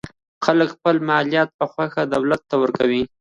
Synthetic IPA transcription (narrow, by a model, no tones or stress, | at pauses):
xaləkxpəlmalijɑt̪̚pəxwaxad̪awlat̪ːawəɾkawi